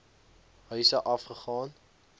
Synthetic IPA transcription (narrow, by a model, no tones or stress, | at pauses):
ɦœɥsəʔɐfχəχɑːn